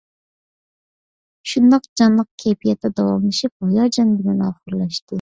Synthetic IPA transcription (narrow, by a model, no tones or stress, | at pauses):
ʃund̪ɑqd͡ʒɑnlˠəq̚kʲʰepʰijɛt̪ʰːɛd̪ɑwɑmlˠɨʃip̚hojɑd͡ʒɑnbɪlɛnɑːχʊɾlˠɑʃt̪ɨ